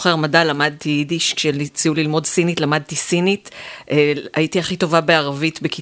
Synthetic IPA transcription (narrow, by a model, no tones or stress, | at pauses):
χeʁmadalamad̪̚t̪iidiʃkʃelit͡siulilmo̞dsinitlamad̪̚tisinitʔaitiaχito̞vabe̞aʁavitbeki